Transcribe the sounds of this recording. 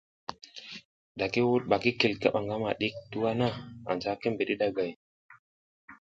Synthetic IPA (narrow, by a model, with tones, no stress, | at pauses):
ɗa˨ke˦wu˦t̚ɓa˨ki˦ke˨lka̰˦ɓa˨ŋɡa˦ma˨ɗi˦k̚tu˦wa˦na˦a̰˨nd͡ʒa˦ke˦mbe˨ɗi˦ɗa˦ɡa˨j